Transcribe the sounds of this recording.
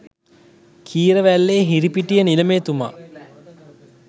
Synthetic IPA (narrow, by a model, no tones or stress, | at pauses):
kʰiːɾəʋælːeːɦiɾipiʈijəniləmeːt̪uma̰